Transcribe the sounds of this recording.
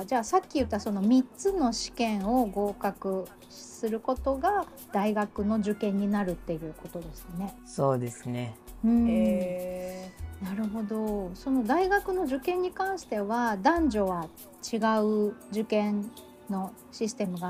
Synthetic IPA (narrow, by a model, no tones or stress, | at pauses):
d͡ʑaːsakʲːijɯ̟t̪ːaso̞no̞mʲitt͡sɨno̞ɕi̥kẽ̞ɰ̃o̞ɡo̞ːkakɯ̟ | sɨɾɯ̟ko̞t̪o̞ɡa | d̪̥aiɡakɯ̟no̞ʑɨkẽ̞ɲ̟ːinaɾɯ̟t̪ːe̞jɯ̟ːko̞t̪o̞d̪e̞sɨne̞so̞ːd̪e̞sɨne̞ɯ̟̃ | naɾɯ̟ɦo̞d̪o̞so̞no̞d̪aiɡakɯ̟no̞d͡ʑɨkẽ̞ɲ̟ːikãɰ̃ɕi̥t̪e̞βad̪ãɲ̟d͡ʑo̞βa | t͡ɕiɡaɯ̟d͡ʑɨkẽ̞n | nːo̞ | ɕisɨ̥t̪e̞mɯ̟ɡa